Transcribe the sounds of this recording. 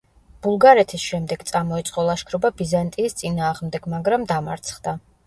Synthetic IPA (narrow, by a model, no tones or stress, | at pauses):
b̥ulˠɡaɾɛt̪ʰisʃɛmd̪ɛɡt̪sʼamɔɛt̪sʼqʼɔlˠaʃkʰɾɔbabizant̪ʼiːst̪sʼinaːʁmd̪ɛɡmaɡɾamd̪amaɾt̪sʰχd̪̥a